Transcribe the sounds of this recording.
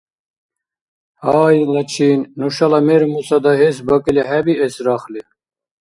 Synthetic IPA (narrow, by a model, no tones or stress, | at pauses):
hɑːjlɐt͡ʃʰiːnnuʃɑlɑmeɾmusɑd̪ɑɦesbɐkileɦæbiesɾɑːxle